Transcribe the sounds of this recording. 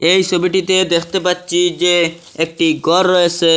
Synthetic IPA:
ejsobiʈit̪ed̪ekʰt̪epat̪ːt͡ʃʰid͡ʒe | ek̚ʈiɡɔɾɔese

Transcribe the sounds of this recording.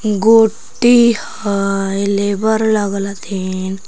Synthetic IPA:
ɡoːʈːih | əleːbəɾləɡlat̪ʰin

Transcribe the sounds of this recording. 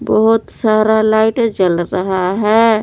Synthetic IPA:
bəɦut̪saɾalaɪʈd͡ʒəlɾəɦaɦɛ

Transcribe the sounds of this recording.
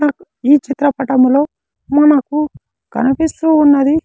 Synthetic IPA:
ɐ | iːt͡ʃit̪ɾɐpɐʈɐmlo̞ː | mɐnɐku | ɡ̥ɐ̰nɐpist̪uːnːɐd̪i

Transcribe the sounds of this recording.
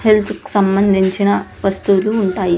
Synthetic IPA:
helt̪ʰki̥sɐmbɐnd̪ʱiɲt͡ʃinɐʋɐst̪uːluːɳʈaːji

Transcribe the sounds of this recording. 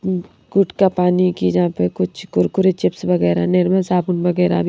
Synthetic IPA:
ɡʊʈkapaːnikid͡ʒɐɦãpekʊt͡ʃʰkʊɾkʊɾet͡ʃɪpsbɐɡɛːɾanɪɾməsaːbʊnbɐɡɛːɾa̰b

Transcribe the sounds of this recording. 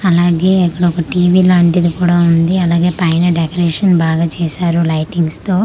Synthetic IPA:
ɐlaːɡeːikːɐɽɐɔkɐʈiːʋiːlaːɳʈid̪ikuːɽaːund̪iɐlaːɡe̞ːpɐjnɐɖekɐɾeːʂɐnbaːɡaːt͡ʃɛːʃaːɾulɐjʈiŋɡst̪o̞ː

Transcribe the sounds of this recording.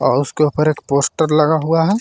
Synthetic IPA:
ɔ̰ːɾʊskeupəɾeːkpoːsʈəɾlɐɡaɦuaɦɛː

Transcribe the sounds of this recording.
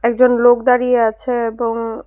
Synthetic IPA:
ɛk̚d͡ʑonlok̚d̪aɾieat͡ɕʰeeboŋ

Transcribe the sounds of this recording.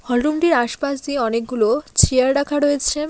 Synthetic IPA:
hɔlɾumʈiɾaʃpaʃd̪ieɔnek̚ɡulot͡ɕʰiaɾɖakʰaɾojet͡ɕʰe

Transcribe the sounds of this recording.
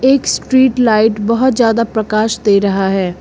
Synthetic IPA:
eːksʈɾiːʈlaːɪʈbɐɦʊt̪zjaːd̪apɾɐkaːʃd̪eːɾɐɦaɦɛː

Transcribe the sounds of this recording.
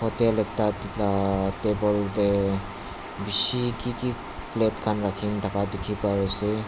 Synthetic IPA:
pʰɔtelek̚taatebɔlde | bisikiki | plet̚kʰanɾakʰiŋtʰakadikʰipajɔse

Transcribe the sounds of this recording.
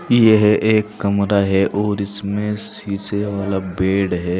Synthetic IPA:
jeɦʔeːkːɐmɾaɦɛʔɔːɾɪsmẽsiːseaːlabeːɽɦɛː

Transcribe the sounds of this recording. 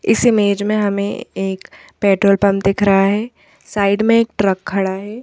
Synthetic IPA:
ɪ̰sɪmeːd͡ʒmẽɦɐmḛ̃eːk | pɛːʈɾoːlpɐmd̪ɪkʰɾɐɦaɦɛː | saːɪɖmẽeːk̚ʈɾɐkʰːɐɽaɦɛː

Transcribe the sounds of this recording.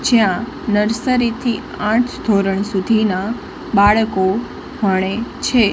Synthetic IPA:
d͡ʒjã | nəɾsəɾit̪ʰi | ãʈʰd̪ʱoɾəɳsud̪ʱina | baɭko | məɽ̃et͡ʃʰe

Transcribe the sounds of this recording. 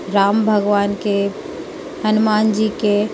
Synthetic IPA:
ɾaːmbʱəɡʋaːnke | hɐnʊmaːnd͡ʒiːke

